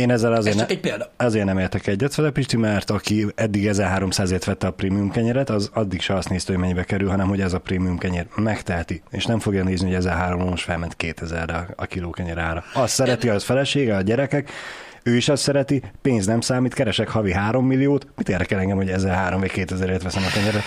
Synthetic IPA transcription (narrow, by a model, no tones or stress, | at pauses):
eːnɛzːɛlɒzeːrnɒzeːrnɛmeːrt̪ɛkɛɟːɛt̪fɛzɛpiʃt̪imɛrt̪ɒkiɛd̪ːiɡɛzɛrɦaːɾo̞msaːzeːt̪ʋɛt̪ːɛɒpreːmijumkɛɲɛɾɛt̪ɒzɒd̪ːikʃɛɒst̪neːst̪yho̞ɟmɛɲːibɛkɛɾylɦɒnɛmho̞ɟɛzɒpreːmijumkɛɲɛrmɛkt̪ɛɦɛt̪iḛːʃnɛmfo̞ɡjɒneːzniho̞ɟɛzɛɦaːɾomloːnuʃfɛlmɛnt̪keːt̪ʰɛzɛrːɛɒkiloːkɛɲɛɾaːɾɒɒst̪sɛɾɛt̪iɒzfɛlɛʃeːɡɛɒɟɛɾɛkɛk | øːiʃɒst̪sɛɾɛt̪ipeːnznɛmsaːmiːt̪kɛɾɛʃɛkhɒviɦaːɾo̞mːilːijoːt̪mit̪eːrd̪ɛkɛlɛŋɡɛmho̞ɟɛzɛɦaːɾo̞mvɒɟkeːt̪ɛzɛɾeːt̪ʋɛsɛmɒkɛɲɛɾɛ